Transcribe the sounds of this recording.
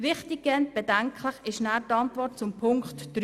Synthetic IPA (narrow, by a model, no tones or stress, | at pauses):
ʋɪχtɪɡ̚ɡɛnt̚b̥ɛdæŋkʰləχɪʃnæːɾtɑntvɔrt̚t͡sʊmpʰʊŋkχtd̥ɾ